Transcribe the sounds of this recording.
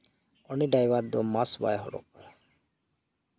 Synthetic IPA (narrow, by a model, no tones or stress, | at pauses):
ɔniɖajbaɾd̪ɔmasba̰jɦɔ̰ɽɔ̰k̚a